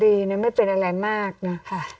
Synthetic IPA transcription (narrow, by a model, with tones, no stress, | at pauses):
diː˧na˥˩˦ma˥˩jpe˧nʔa˧ɾa˧jmaː˥˩k̚nɔ˦˥kʰa˥˩